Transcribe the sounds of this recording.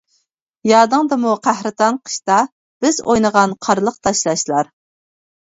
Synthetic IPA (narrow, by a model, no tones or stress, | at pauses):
jɑːd̪ɨŋd̪ɨmuqʰæhɾɨt̪ɑnqʰə̥ʃt̪ɑ | b̥ɪzojnəʁɑnqʰɑɾlˠəq̚t̪ʰɑʃlˠɑʃlˠɑɾ